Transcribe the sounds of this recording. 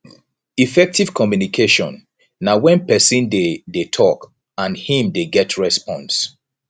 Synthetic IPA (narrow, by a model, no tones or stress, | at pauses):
ifɛk̚tiv̥kʰɔmjunikʰeʃɔ̰̃nː | awɛ̃npɛsĩndedetʰɔk | ãnhĩmdeɡɛtʰɹɛspɔ̃ns